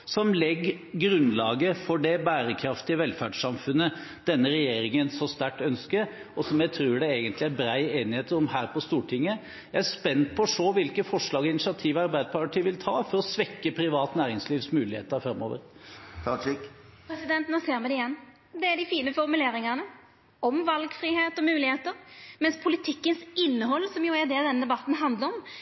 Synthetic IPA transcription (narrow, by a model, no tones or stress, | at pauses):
sɔmlɛɡ | ɡɾʉnlɑːɡəfɔɖɛbæːɾəkʰɾɑft̪ɪəʋɛlfæːɖʂɑmfʉnːəd̪̥ɛnːəɾɛjeːɾɪŋənsɔst̪æʈːœnskəɾ | ɔsɔmjæɪt̪ʰɾʉːɖɛeːɡənt̪lɪæɾbɾæɪeːnɪheːt̪əɾɔmhæːɾpɔst̪uːʈʰɪŋːə | jæɪæɾspɛnt̪̚pʰɔːʂoːʋɪlkəfɔʂɭɑːɡɔɪnɪsɪɑt̪ʰiːʋɑɾbæɪd̪pʰɑɾʈɪʋɪlt̪ʰɑːfɔɾɔsʋɛkːəpʰɾɪʋɑːt̪næːɾɪŋsliːʋsmʉːlɪhḛːt̪əɾfɾɑmːo̰ːʋə̰ɾt̪ʰɑt͡ʃɪkpʰɾɛsɪd̪ɛnt̪nɔseːɾmɛd̪ɛɪjɛnː | d̪ɛæɖɪfiːnəfɔɾmʉleːɾɪŋənə | ɔmʋɑlɡfɾiːheːt̪ɔmʉːlɪheːt̪əɾmɛnspʰʊlɪt̪ʰɪkːənsɪnːəɦɔlːsɔmjʊæɾd̪ɛːd̪ɛnːəd̪ɛbɑt̪ːn̩ɦɑnd̪ləɾɔm